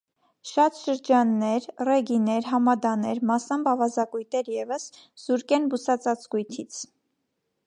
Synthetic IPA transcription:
ʃɑt̪ʃəɾd͡ʒɑnːɛɾrɛɡinɛɾɦɑmɑd̪ɑnɛɾmɑsɑmbɑvɑzɑkujt̪ɛɾjɛvəsz̥uɾkɛnbusɑt͡sɑt͡sɡujt̪ʰit͡sʰ

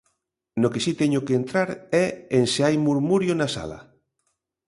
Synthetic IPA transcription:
nokesit̪ɛɲokeent̪ɾaɾɛenseajmuɾmuɾjonasa̰la̰

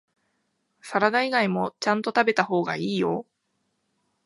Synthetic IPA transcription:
saɾad̪aiɡaimo̞t͡ɕãnt̪o̞t̪abe̞t̪aho̞ːɡa̰iːjo̞

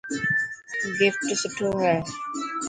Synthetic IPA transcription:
ɡɪfʈsʊʈʰːoːɦɛː

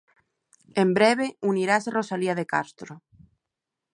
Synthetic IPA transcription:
embɾeβ̞euniɾaserosaliaðekast̪ɾo

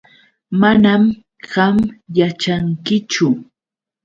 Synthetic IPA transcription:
manam | ɢamjat͡ʃaŋkɪt͡ʃʊ

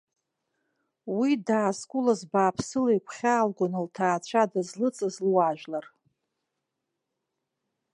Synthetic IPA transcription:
widaːskʷʼulazbaːpʰsɨlajkʷʰχʲaːlɡʷʊnɨltʰaːt͡ɕʷʰadazlɨt͡sʼazlwaʒᶣlar

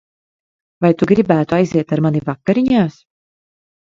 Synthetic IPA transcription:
vajt̪uɡɾibæːt̪uajziɛt̪aɾmanivakːaɾiɲaːs

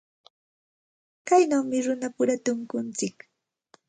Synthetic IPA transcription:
kajnawmɪɾʊnapʊɾat̪ʊŋkʊnt͡sɪk

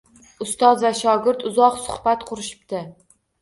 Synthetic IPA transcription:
ʊst̪ɒzvaʃɒɡʲɪɾt̪ʊzɒqsʊ̥hbat̪qʰʊɾɪʃɪ̥p̚t̪ʰɪ

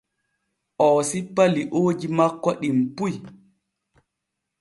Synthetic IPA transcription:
ʔɔːsipːaliʔoːd͡ʒimakːɔɗimpuj

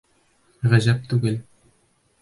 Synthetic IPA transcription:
ʁæʑæp̚t̪ʉɡɘl

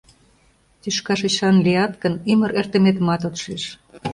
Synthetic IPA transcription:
t̪yʃkɑʃet͡ɕɑnliɑt̪kə̆nymə̆ɾert̪ə̆met̪əmɑt̪ot̪ʃeʃ

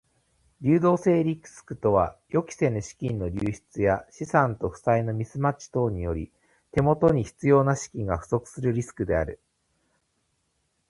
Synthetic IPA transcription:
ɾʲɨːd̪o̞ːse̞ːɾʲikɯ̥sɨ̥kɯ̟̥t̪o̞β̞ajo̞kʲi̥se̞noɕi̥kʲĩnːo̞ɾʲɨːɕi̥t͡sɨjaɕisãnt̪o̞ɸɯ̟̥saino̞mʲisɨmat͡ɕi̥t̪o̞ːɲ̟ijo̞ɾʲi | t̪e̞mo̞t̪o̞ɲ̟içi̥t͡sɨjo̞ːnaɕi̥kʲĩŋɡaɸɯ̟̥so̞kɯ̟̥sɨɾɯ̟ɾʲisɨ̥kɯ̟d̪e̞aɾɯ̟

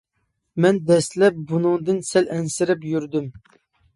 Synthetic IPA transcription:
mɛnd̪ɛslɛp̚bunɨŋd̪ɨnsɛlʔɛnsɪɾɪpjyɾd̪ym

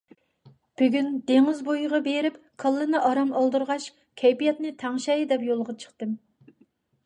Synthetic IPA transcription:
b̥yɡʲynd̪eŋɪzbojʁɑbeɾɪp | kʰɑlˠːɨnɨʔɑɾɑmɑlˠd̪ɨɾʁɑʃ | kʲʰɛjpijɛt̪nɨt̪ʰæŋʃɛjd̪ɛpjolˠʁɑt͡ʃʰə̥χt̪ɨm

